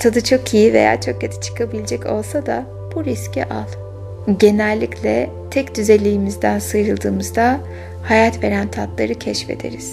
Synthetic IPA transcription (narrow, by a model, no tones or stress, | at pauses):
t̪ʰad̪ɯt͡ʃʰo̞kʰijive̞̰ja̰ɾt͡ʃʰo̞k̚ːat̪ʰi̥t͡ʃʰɯ̥kʰabilʲed͡ʒɛco̞lˠsad̪a | b̥uɾiscḭʔa̰lˠ | ɟe̞nælʲːicʰlʲɛ | t̪ʰɛcd̪yze̞lʲijːmizd̪ænsɯjɾɯlˠd̪ɯːmɯzd̪a | hajat̪ve̞ɾænt̪ʰat̪lˠaɾɯcʰɛʃfe̞̰d̪e̞̰ɾiz̥